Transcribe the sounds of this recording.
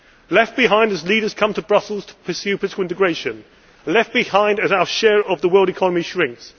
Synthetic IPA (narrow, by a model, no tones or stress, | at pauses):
lɛft̚b̥ɪɦãɪ̃ndəzliːɾəz̥kʰʌ̃mtʰəbɹʌsəl̩ˠz̥tʰə̥pʰəsjʉːpʰəlɪtɪ̥kəl̩ˠɪ̃ntɪɡɹeɪʃə̃n | lɛf̚b̥ɪhãɪ̃ndɨzaʊəʃɛːɹəvðəwɜːlˠdɪkʰɒnəmiʃɹɪ̃ŋks